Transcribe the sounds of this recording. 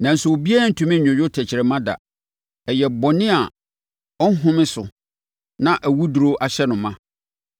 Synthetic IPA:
nã˨n̩˦sʊ˨o˨bi˦a˦˨n̩˨tʰũ˦mɪ̃˦˨ʊ̃˨jᶣʊ˦tʰæ˨t͡ɕʰɪ˨ɾɛ˨mã˦da̰˨ | ɛ˨jɛ˨bɔ˨nɪ̃˦a˨ | ɔ˦n̩˦ɦʊ̃˦mɪ̃˦sʊ̰˨ | nã˨ʔæ˨wu˦du˨ɾo˦ʔa˨ɕɛ˦nʊ̃˨mã˦˨

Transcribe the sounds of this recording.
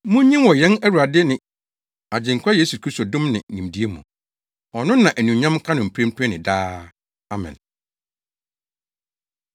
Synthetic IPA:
mʊ̃˦ɲĩ˦mwɔ˨jɛ̃˦næ˦wu˨ɾa˨dɪ˦nɪ̃˨ | a˨d͡ʑɪ̃˨ŋ̩˨kʷʰa˦jeː˦su˨kʰɾi˦sto˨dʊ̃˦mnɪ̰̃˨nĩ˨mdi˦e˦mũ˨ | ɔ˨nʊ̃˦nã˨ʔæ˨nũ˨ɲã˦mkʰã˦nʊ̃˨m̩˨pʰi˦ɾ̃m˦pʰɛ˦nɪ̃˨daː˦ | a˦mɪ̰̃˨n

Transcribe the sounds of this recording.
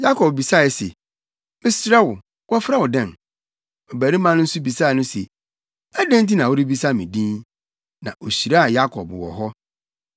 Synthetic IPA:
ja˦kʰɔ˨b̚bi˨sa˦˨ɛ˨˦se˨ | ɪ˦sɾɛ˦wʊ˨ | wɔ˦fɾa˦wʊ˨dɛ̃˦˨n | ɔ˨bæ˨ɾi˦mã˦nʊ̃˦n̩˦su˦bi˨sa˦˨nʊ̃˦se˨ | æ˦dɛ̃˦n˦t̬i˦nã˨wʊ˦ɾi˦bi˦sa˦˨mĩ˨dĩ˦n | nã˨ʔo˨ɕi˨ɾa˦a˨ja˦kʰɔ˨bwɔ̰˨ɦɔ˦

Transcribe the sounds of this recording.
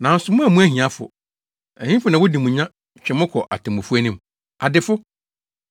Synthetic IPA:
nã˨n̩˦sʊ˨mʊ̃˦æ˨mũ˦æ˦hĩ˨ã˨fʊ̰˨ | ɛ˨hĩ˦fʊ˨˦nã˨wʊ˦di˨mũ˨ɲã˦ | t͡ɕᶣɛ˨mʊ̃˦kʰɔ˨ʔa̰˨tʰɛ̃˨mʊ̃˨fu˦æ˦nɪ̃˦m | a˨dɪ˨fʊ˦

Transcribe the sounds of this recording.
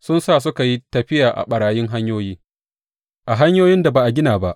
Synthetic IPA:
sʊ˦nsaː˦˨s̬ʊ˦ka˨ji˦tɐ˨ɸɪ˦jaː˨ʔa̰˨ɓɐ˨ɽaː˨jɪ˦ŋɦa˦ɲjoː˦jiː˦ | ʔa˨ɦa˦ɲjoː˦jɪ˦nda˨baː˨ʔa˨ɡʲɪ˦naː˨ba̰˦ʔ

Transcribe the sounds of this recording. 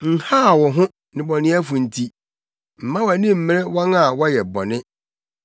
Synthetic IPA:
ŋ̩˨ha˦˨wɔ˨ɦʊ̃˦ | nɪ̃˨bɔ˨nɪ̃˦æ˦fũ˨n̩˨tʰi˦ | m̩˨mã˦wæ˨nĩ˦m̩˨mɪ̃˦ɾɪ˦wɔ̃˦ŋa˨wɔ˦jɛ˨bɔ˨nɪ̃˦

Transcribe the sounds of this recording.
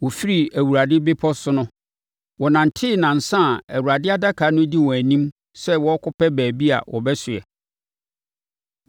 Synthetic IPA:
wɔ˨fi˦ɾi˨æ˨wu˨ɾa˨dɪ˦bɪ˦pʰɔ˦sʊ˦nʊ̃˦ | wɔ˨nã˨n̩˨tʰɪ˦˨nã˨n̩˨sã˦˨æ˨wu˨ɾa˨dɪ˦a˦da˦kʰa˨˦nʊ̃˦di˦wɔ˨æ˨nĩ˦m | sɛ˦wɔ˦kʊ˦pɛ˦bæː˨bi˦a̰˨wʔɔ̰˨bɛ˦sʊ˨ɛ̰˨

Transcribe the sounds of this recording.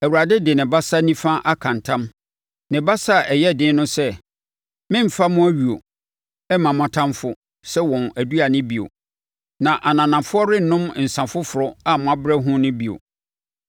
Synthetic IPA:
æ˨wu˨ɾa˨dɪ˦dɪ˨nɪ̃˨ba˦sa˦nĩ˦fã˦ʔa˦kʰã˨ntʰã˦m | nɪ̃˨ba˦sa˦˨ɛ˨jɛ˦˨dɪ̃˦nʊ̃˦sɛ˦ | mɪ̃˦m̩˨fa˦mʊ̃˦æ˦ɥu˨o̰˨ | ɛ˦mã˨mã˨tʰã˦mfʊ˦ | sɛ˦wɔ̃˨næ˨du˦a˨nɪ̃˦bi˨o̰˨ | nã˨ʔa˨nã˨nã˨fʊ˦ɔ˦ɾɪ˦n˨˦nʊ̃˦m˨n̩˨sã˨fʊ˦fʊ˨ɾʊ˦a˦mʊ̃˦a˦bɾɛ˦ɦʊ̃˦nʊ̃˦bi˨o̰˨

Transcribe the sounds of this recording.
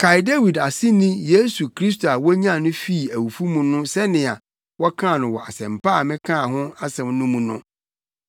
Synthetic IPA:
kʰa˨jde˦wi˨da˨sɪ˦nĩ˦je˦su˨kʰɾi˦s̬to˨a˨wɔ˦ɲã˦˨nʊ̃˦fi˦˨æ˨wu˨fu˦mũ˨nʊ̃˦sɛ˦nɪ̃˨a˨ | wɔ˦kʰã˦˨nʊ̃˨wɔ˨a˨sɛ̃˨mpʰa˦˨mɪ̃˦kʰã˦˨ɦʊ̃˦a˦sɛ̃˨mnʊ̃˦mũ˨nʊ̃˦

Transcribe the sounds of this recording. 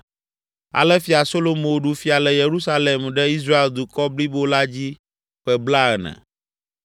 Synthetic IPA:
a̰˨lɛ˦fi˨a˨so˦lo˦mõ˨ɖu˦fi˦a˨lɛ˨je˨ɾu˦sa˦lɛ˨mɖɛ˦i˦s̬ɾa˦e˨ld̪u˨kɔ˦bli˦bo˦la˦d͡ʑi˦ | ɸɛ˨bla˦ɛ˨nɛ̰̃˨

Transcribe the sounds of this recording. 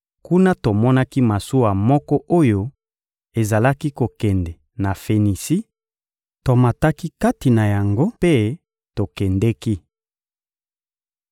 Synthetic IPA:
ku˦na˦to˨mɔ˦na˦ki˦ma˨su˦wa˨mɔ˦kɔ˦ʔo˦jo˦ | e˨za˨la˦ki˦ko˨kɛ˨ndɛ˨ | na˨fe˨ni˨si˦ | to˨ma˨ta˦ki˦ka˦ti˨na˨ja˨ŋɡo˦pe˦ | to˨kɛ˨ndɛ˦ki˦

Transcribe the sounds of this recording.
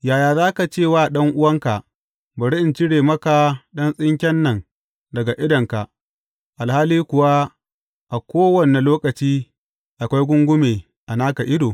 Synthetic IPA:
jaː˨jaː˨zaː˦ka˨t͡ʃeː˦˨waː˦ɗɐ˦ŋʔʊ˦wɐ˦ŋka˨ʔ | ba˨ɽɪ˦ʔɪ˨nt͡ʃɪ˦ɽeː˨mɐ˦ka˨ɗɐ˦nsʼɪ˦ŋkʲɛ˦nːɐ˨ŋ | dɐ˨ɡa˨ʔɪ˦dɐ˨ŋka˨ʔ | ʔa˨lhaː˦liː˦kʷʊ˨wa˦ | ʔa˨kʷoː˦wɐ˦˨ne˨loː˦kɐ˨t͡ʃiː˦ | ʔa˨kʷa˦jɡʷʊ˦ŋɡʷʊ˦meː˨ | ʔa˨naː˦ka˨ʔɪ˦doː˨

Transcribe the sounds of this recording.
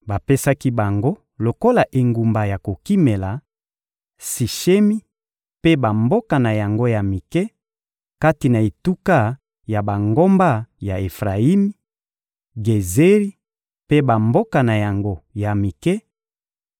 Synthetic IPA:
ba˨pe˦sa˦ki˦ba˨ŋɡo˦ | lo˨ko˦la˨ʔe˨ŋɡu˨mba˨ja˨ko˨ki˦me˨la˨ | si˨ʃe˦mi˦ | pe˦ba˨mbo˦ka˨na˨ja˨ŋɡo˦ja˨mi˨kɛ˦ | ka˦ti˨na˨e˨tu˦ka˦ | ja˨ba˨ŋɡo˦mba˦ja˨e˨fʁa˨i˦mi˦ | ɡe˨ze˦ʁi˦ | pe˦ba˨mbo˦ka˨na˨ja˨ŋɡo˦ja˨mi˨kɛ˦

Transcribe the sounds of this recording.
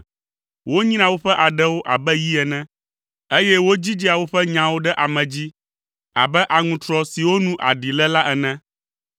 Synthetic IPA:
wo˦ɲĩ˦nã˨wo˦ɸɛ˦ʔa˨ɖɛ˦wo˦ʔa̰˨bɛ˦ji˦ɛ˨nɛ̃˦ | e˦jɛ˦wo˦d͡ʑi˦d͡ʑi˦a˨wo˦ɸɛ˦ɲã˨wo˦ɖɛ˦ʔa˨mɛ̃˨d͡ʑi˦ | a̰˨bɛ˦ʔa˨ŋũ˨t̪ɾɔ˦si˨wo˦nũ˦ʔa̰˨ɖi˨lɛ˦la˦ʔɛ˨nɛ̃˦

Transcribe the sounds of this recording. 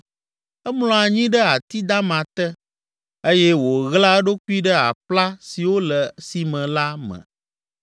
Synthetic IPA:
ɛ˦mlɔ̃˨a˨ɲĩ˦ɖə˦a˨t̪i˦d̪a˦mã˨t̪ə˦ | e˦jɛ˦wo˨ɣla˦ɖo˦ku˦i˦ɖə˦a̰˨pla˦si˨wo˦lə˨si˨mɛ̃˨la˦mɛ̰̃˨

